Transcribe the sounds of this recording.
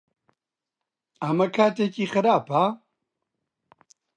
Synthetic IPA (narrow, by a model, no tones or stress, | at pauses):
ɐmɐkʰaːt̪ekiːxɨɾaːpa